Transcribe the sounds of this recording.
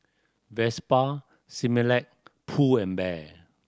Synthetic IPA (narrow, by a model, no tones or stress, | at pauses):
vɛspa | similɛk̚pʰuɛ̃nbɛ